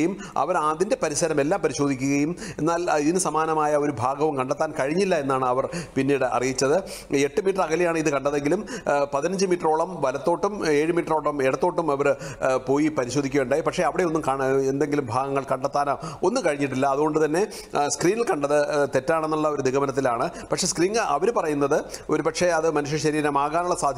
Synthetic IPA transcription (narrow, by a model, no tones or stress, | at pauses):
jum | ɐ̰ʋɐɾaːd̪inde̞pɐɾiɕɐɾɐme̞lːaːmpɐɾiɕo̞ːd̪ʱikʲːuɣɐjume̞nːaːliðinɨsɐmaːnɐmaːjɐo̞ɾubʱaːɡɐʋumkɐɳɖɐt̪ːaːnkɐɻiɲːilːɐe̞nːaːɳɨɐʋɐrpinːiːɽɨʔɐ̰rijit͡ɕːɐðɨ | e̞ʈːɨmiːʈːrɐkɐlijaːɳɨiðɨkɐɳɖɐðe̞ŋɡilumpɐðinɐɲd͡ʑɨmiːʈːɐro̞ːɭɐmʋɐlɐt̪ːo̞ːʈːumeːɻɨmiːʈːɐro̞ːɭːɐmeɽɐt̪ːo̞ːʈːumɐʋɐɾpo̞ːjipɐɾiɕoːd̪ʱikʲːuɣɐuɳɖaːjipɐkʂe̞ɐʋiɽe̞o̞nːumkaːɳend̪e̞ŋɡilumbʱaːɡɐŋːɐɭkɐɳɖɐt̪ːaːnao̞nːukɐɻiɲːiʈ̬ːilːɐːðuɣo̞ɳɖɨt̪ɐnːe̞ | skriːnilkɐɳɖɐðɨt̪e̞tːaːɳe̞nːuɭːɐo̞ɾud̪iɣɐmɐnɐt̪̬ːilaːɳɨpɐkʂeskriːŋɡʔɐ̰ʋɐɾpɐrɐjunːɐðɨo̞ɾupɐkʂe̞ɐðɨmɐnuʂ̬jɐɕɐɾiːɾɐmaːɣaːnuɭːɐsaːd̪ʱj